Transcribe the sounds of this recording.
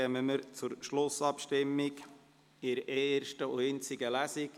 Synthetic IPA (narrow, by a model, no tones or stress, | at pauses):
ɛməməɾt͡sʊɾʃlʊsɑpʃtɪmːɪk | ɪɾeːrʃtəʊɪnt͡sɪɡəlæsɪk